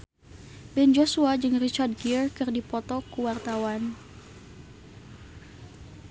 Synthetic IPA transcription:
bɛnd͡ʒosuad͡ʒɨŋrit͡ʃard̚ɡirkɨrdipɔt̪ɔkuwart̪awan

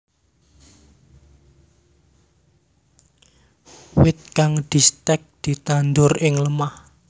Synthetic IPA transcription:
wɪt̪̚kaŋd̪̥i̤st̪ɛk̚d̪̥i̤t̪and̪ʊrɪŋləmah

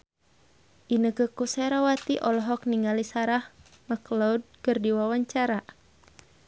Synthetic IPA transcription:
ʔinəkəkusɛɾawat̪iʔɔlɔɦɔk̚niŋalisaɾah | makloud̚kɨrdiwawaɲt͡ʃaɾa

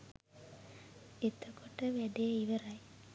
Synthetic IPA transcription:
et̪əkuʈəʋæɖejeiʋɐɾɐj

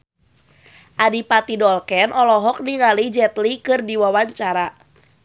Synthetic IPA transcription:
ʔadipat̪idɔlkɛnʔɔlɔɦɔk̚niŋalid͡ʒɛt̪likɨrdiwawaɲt͡ʃaɾa

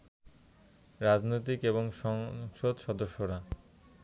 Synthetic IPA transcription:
ɾad͡ʑnojt̪̬ikeβoŋʃɔŋʃod̪ʃɔd̪oʃːoɾa

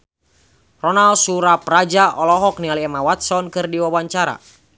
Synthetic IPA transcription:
rɔnalsuɾaprad͡ʒaʔɔlɔɦɔk̚nialiɛmawat̪sɔnkɨrdiwawaɲt͡ʃaɾa̰

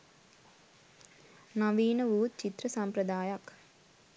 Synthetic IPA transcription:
nɐʋiːnɐʋuːt̪̚t͡ʃit̪ɾɐsɐmpɾɐd̪aːjɐk

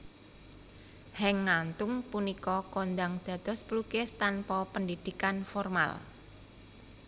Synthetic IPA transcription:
hɛŋːant̪ʊŋpunikɔkond̪aŋd̪̥ä̤d̪̥ɔ̤splukest̪anpɔpəndid̪̥i̤kanfɔrma̰l

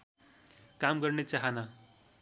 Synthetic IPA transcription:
kamɡʌrnet͡saɦana

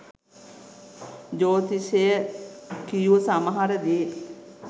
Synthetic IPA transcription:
d͡ʑoːt̪isejəkijuʋəsaməɦaɾəd̪ee

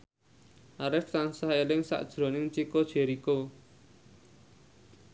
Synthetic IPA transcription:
ʔaɾɪft̪ansaelɪŋsa̰ʔd̥ʒ̥ɾo̤nɪŋt͡ʃikod̥ʒ̥e̤ɾiko

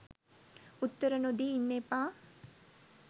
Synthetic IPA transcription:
ut̪ːəɾənod̪iːnːepaː

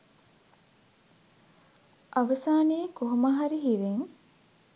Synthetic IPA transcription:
ʔɐʋɐsaːneːkoɦumɐɦaɾiɦiʋeŋ

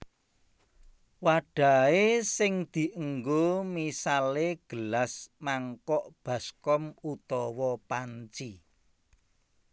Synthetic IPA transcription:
waɖ̥a̤esɪŋd̪̥i̤ʔəŋɡomisaleɡ̥ə̤lasmaŋkɔʔb̥ä̤skɔmut̪ɔwɔpaɲt͡ʃi

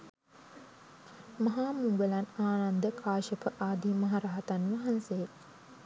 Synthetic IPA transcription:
mɐɦaːmuŋʋelanaːnand̪əkʰaːʃəpəʔaːd̪imɐɦaɾaɦat̪anʋɐɦansej

